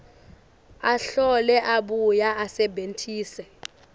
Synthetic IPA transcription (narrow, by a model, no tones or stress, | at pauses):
aɬɔlɛʔaɓujaasɛbʱentʰʼiːsɛ